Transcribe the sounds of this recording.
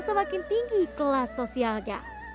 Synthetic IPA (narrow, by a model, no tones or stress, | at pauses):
səmakɪnt̪iŋɡikəlasosialɡa̰